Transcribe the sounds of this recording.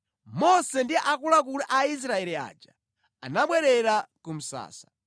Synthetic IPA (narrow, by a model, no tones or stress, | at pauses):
mɔsɛndiɛʔakulak̬ulɛʔais̬ɾaɛlia̰ːd͡ʒa | anaɓwɛɾɛɾakum̩sa̰ːsḁ